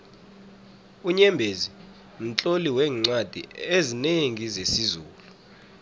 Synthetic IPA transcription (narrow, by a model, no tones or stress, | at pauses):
uɲɛmbʱezi | m̩t͡ɬʼoliwɛːŋ͡ǀad̥ʱḭezineŋizesizuːlu